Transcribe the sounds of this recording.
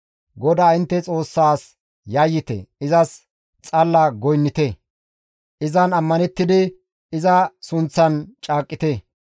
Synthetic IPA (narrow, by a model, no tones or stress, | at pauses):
ɡɔd̪aːɪnt̪ːɛt͡sʼo̞ːsːaːs | jajːɪt̪ɛ̰ɪzɐs | t͡sʼɐlːɐɡɔjnːɪt̪ɛ | ʔɪzɐnɐmːɐnɛt̪ːɪd̪ɪ | ɪzɐsʊnt͡sːɐnt͡ʃʼaːkʼːɪt̪e